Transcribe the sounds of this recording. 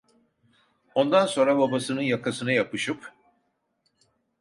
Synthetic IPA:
o̞nd̪anso̞nɾababasɯnɯnjakʰasɯnajapɯʃɯp

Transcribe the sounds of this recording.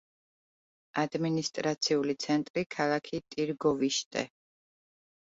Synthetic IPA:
ad̪minist̪ʼɾat̪sʰiulit̪sʰɛnt̪ʼɾikʰalˠakʰit̪ʼiɾɡɔviʃt̪ʼɛ̰

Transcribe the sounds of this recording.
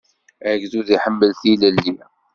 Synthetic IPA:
æɡzuðiħəmːəlθiləlːi

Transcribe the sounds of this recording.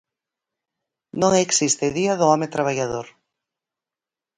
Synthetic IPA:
nõŋeksist̪eðiaðoɔmet̪ɾaβ̞aʎaðoɾ

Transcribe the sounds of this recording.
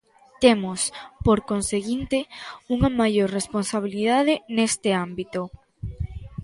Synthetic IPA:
t̪emospoɾkonseɣint̪euŋɐmajoɾresponsaβ̞ilið̞aðenest̪eambit̪o

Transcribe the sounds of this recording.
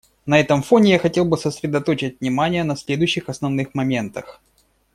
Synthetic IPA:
nɐɛt̪əmfo̞nʲɪjaxɐtʲe̞lˠbɨsəsʲɾʲɪd̪ɐt̪o̞t͡ɕɪt̚ʲvnʲɪmanʲɪjənɐsʲlʲe̞d̪ʊjʏɕːɪxɐsnɐvnɨxmɐmʲe̞nt̪əx

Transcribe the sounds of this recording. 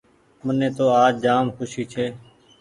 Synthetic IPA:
mənẽːt̪oːaːd͡ʒd͡ʒaːmkʰʊʃiːt͡ʃʰeː

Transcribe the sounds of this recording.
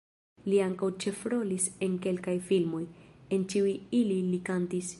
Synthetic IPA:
liaŋkawt͡ʃe̞fɾo̞lise̞ŋke̞lkajfilmo̞je̞nkiujililikantis

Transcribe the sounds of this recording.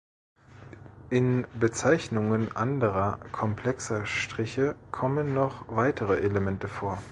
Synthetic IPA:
ʔɪnbət͡saɪçnʊŋənʔandəʁɐkʰɔmpʰl̥ɛksɐʃtʁ̥ɪçəkʰɔmənːɔχv̥aɪtʰəʁəʔeləmɛntəfoːɐ

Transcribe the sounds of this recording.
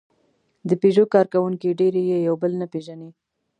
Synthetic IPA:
d̪əpeʒokɑɾkawuŋkiɖeɾejejawbəlnapeʒani

